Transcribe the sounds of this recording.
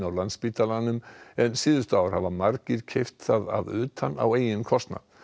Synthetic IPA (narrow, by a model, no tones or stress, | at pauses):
nawlant̪spiːt̪alanːʏmɛnsɪːðʏst̪aːwaɾ̥havamaɾcɪɾ̥cʰeft̪θaða̰ðʏːt̪ʰanːa̰weːjɪnkʰɔst̪na̰